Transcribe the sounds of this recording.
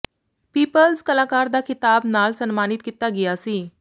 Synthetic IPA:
piːpəlskəlaːkaɾd̪akʰit̪abnalsənmanit̪kit̪aɡiasiː

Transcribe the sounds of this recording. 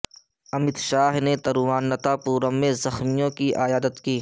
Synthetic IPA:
ɐmɪt̪ʃaːɦnet̪ɐɾʋaːnːɐt̪apuːɾəmːẽzɐxmijõkiʔaːjaːd̪ət̪kiː

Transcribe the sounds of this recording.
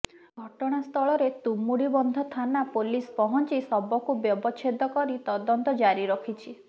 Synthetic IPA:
ɡʱɔʈɔɽ̃ast̪ʰɔɭɔɾet̪umuɽibɔnd̪ʱɔt̪ʰanapolispɔɦɔnt͡ʃisɔbɔkubjɔbɔt͡ʃʰed̪ʱɔkɔɾit̪ɔd̪ɔnt̪ɔd͡ʒaɾiɾɔkʰit͡ʃʰi

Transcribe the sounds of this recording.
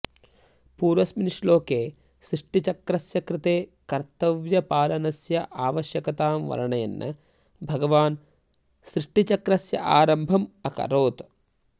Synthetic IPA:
puːɾʋɐsminiʂloːkeː | sɾiʂʈit͡ʃɐkɾɐsjɐkɾɪt̪eːkɐɾt̪ɐʋjɐpaːlɐnɐsjɐʔaːʋɐʃjɐkɐt̪aːmʋɐ̰ɾɐɳɐjɐ̰nːɐ̰ | bʱɐɡɐʋaːn | sɾiʂʈit͡ʃɐkɾɐsjɐ̰ʔaːɾɐmbʱɐmɐkɐ̰ɾoːt̪

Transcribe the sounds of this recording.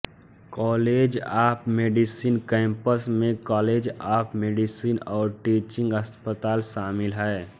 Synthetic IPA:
kɔːleːd͡ʒaːpmeːɖisiːnkɛ̃ːmpəsmẽkɔːleːd͡ʒaːpmeːɖisiːnɔːɾʈiːt͡ʃɪ̃ŋɡəspət̪aːlʃaːmɪlɦɛː

